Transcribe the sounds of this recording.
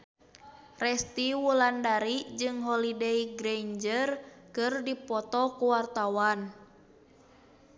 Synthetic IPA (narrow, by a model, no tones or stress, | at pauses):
rɛst̪iwulandaɾid͡ʒɨŋɦɔlideiɡɾeɲd͡ʒərkɨrdipɔt̪ɔkuwart̪awan